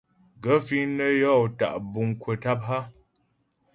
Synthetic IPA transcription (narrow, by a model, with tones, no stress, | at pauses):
ɡə˨˦fi˦nə˦jɔ˦˨ta̰˨ʔbu˨ŋ˨kwə˨ta˦p̚ɦa˦